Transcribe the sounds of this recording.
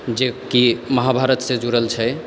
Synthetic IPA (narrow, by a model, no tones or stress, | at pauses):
d͡ʒekiməɦabʱaɾət̪sẽd͡ʒuɾəlt͡ʃʰɛ